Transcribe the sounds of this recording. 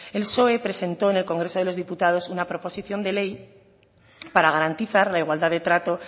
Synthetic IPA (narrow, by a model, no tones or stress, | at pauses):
e̞lso̞e̞pɾe̞se̞nt̪o̞ene̞lko̞ŋɡɾe̞so̞ð̞e̞lo̞zðiput̪að̞o̞sunapɾo̞po̞siθjo̞nd̪e̞le̞j | paɾaɣ̞aɾant̪iθaɾlaiɣwald̪aðe̞t̪ɾat̪o̞